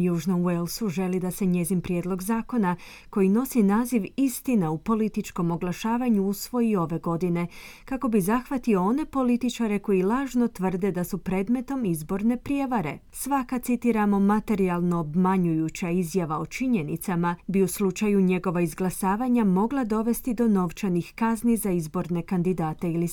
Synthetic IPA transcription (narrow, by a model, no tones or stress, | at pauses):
juːʒnouelˠsuʒe̞lid̪ase̞ɲe̞zinpɾje̞ːd̪lˠo̞ɡzaːko̞na | ko̞jino̞sinaːziʋist̪inaupo̞lit̪it͡ʃko̞mo̞ɡlˠaʃaːʋaɲuusʋo̞jio̞ʋe̞ɡo̞d̪ine̞kako̞bizaxʋat̪io̞o̞ne̞po̞lit̪it͡ʃaɾe̞ko̞jilˠaːʒno̞t̪ʋər̩d̪e̞d̪asupɾe̞ːd̪me̞t̪o̞mizbo̞ɾne̞pɾje̞ʋaɾe̞̰sʋakat̪sit̪iɾamo̞mat̪e̞ɾialˠno̞ːbmaɲujut͡ɕaizjaʋao̞t͡ʃiɲe̞nit̪samabiuslˠut͡ʃajuɲe̞ɡo̞ʋaizɡlˠasaːʋaɲamo̞ɡlˠad̪o̞ʋe̞st̪id̪o̞no̞ʋt͡ʃanixkaznizaizbo̞ɾne̞kand̪id̪aːt̪e̞ili